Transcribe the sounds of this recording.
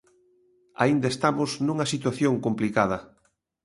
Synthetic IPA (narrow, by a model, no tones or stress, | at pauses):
a̰ind̪aest̪amʊznũŋɐsit̪waθjoŋkomplikaðɐ